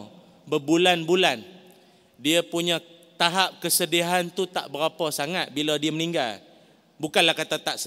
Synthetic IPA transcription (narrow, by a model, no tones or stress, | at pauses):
bəbulanbulan | diəpuɲã | t̪aɦap̚kəsədiɦant̪ut̪a̰ʔbəɾapɔsaŋat̪̚biladiəmənĩŋɡal | bukanlahkat̪at̪aʔsə